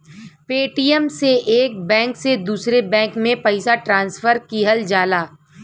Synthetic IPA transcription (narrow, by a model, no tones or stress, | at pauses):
peːʈiːəmseʔeːk̚bɛ̃ːŋksed̪uːsɾebɛ̃ːŋkmẽpɐɪsaʈɾãːnsfəɾkiːɦəld͡ʒaːlaː